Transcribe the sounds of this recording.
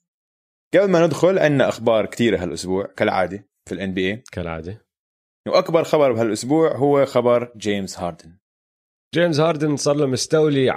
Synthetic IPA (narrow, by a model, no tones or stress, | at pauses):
ɡ̥ablmanɪd̪xʊlʕɪnːaʔaxbɑːɾˤkt̪iːɾaɦalʔʊsbuːʕkalʕa̰ːd̪i | filʔanbiːʔeːkalʕa̰ːd̪i | wʔakbɑɾˤxɑbɑɾˤbɦalʔʊsbuːʕɦʊwːaxabɑɾˤd͡ʒeːmzhɑːɾd̪ɪn | d͡ʒeːmzhɑːɾˤd̪ɪnsˤɑɾˤːamʊst̪awli